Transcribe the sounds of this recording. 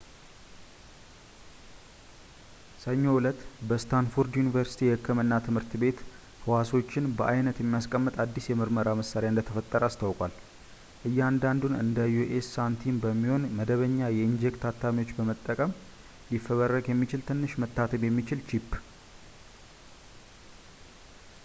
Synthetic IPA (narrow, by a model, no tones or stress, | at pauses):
səɲːo̞wʊlət̪bəst̪ʰanfuɾd̪junivəɾsi̥t̪ʰiɛhɨkʰːɨmɨnːat̪ʰɨmhɨɾt̪be̞t̪ | hɨwaso̞t͡ʃːɪnbəʔajnət̪jɛmːijaskʼəmːɨt̪ʼad̪ːisjɛmɨɾməɾaməsaɾejaɨnd̪ət̪ʰəfət̪ʼːəɾəast̪ʰawkʼwal | ʔɨjːand̪and̪unɨnd̪ajːuʔesːant̪ʰinbəmːiho̞nməd̪əβəɲːajɛɨnd͡ʒekt̪ʰat̪ʰːamiwo̞t͡ʃːbəmət̪ʼːəkʼəm | lifːəβərːəɡjɛmːit͡ʃɪlt̪ʰɨnːɨʃmət̪ʰːat̪ʰəbjɛmːit͡ʃɪlt͡ʃʰipː